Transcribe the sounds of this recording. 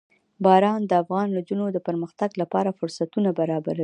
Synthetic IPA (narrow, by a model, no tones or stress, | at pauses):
bɑɾɑnd̪əafɣɑnlod͡ʒunod̪əpəɾməxt̪aɡlapɑɾafʊɾsat̪unabaɾɑbaɾai